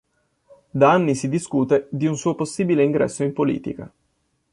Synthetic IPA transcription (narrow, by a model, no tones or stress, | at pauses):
d̪aanːisid̪iskuːt̪ed̪iunsuːoposːiːbileiŋɡɾɛ̰sːoimpolḭːt̪ḭka̰